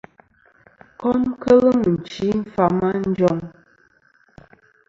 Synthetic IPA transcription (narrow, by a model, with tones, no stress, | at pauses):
kɔ˦mkə˦lə˦mə˨n̩˨t͡ʃi˨˦m̩˦fa˨ma˦n̩˦d͡ʒɔ˦ŋ